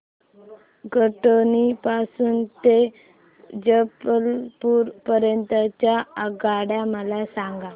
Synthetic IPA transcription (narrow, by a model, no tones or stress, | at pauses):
ɡəʈonipasuːnt̪e | d͡ʑəpəlpuːɾpəɾjənt̪at͡ɕjaəɡaɽjaməlasaŋɡa